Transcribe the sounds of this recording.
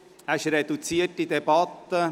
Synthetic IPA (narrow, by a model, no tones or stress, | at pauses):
æʃɾed̪ut͡siətid̪ebɑt̪ːə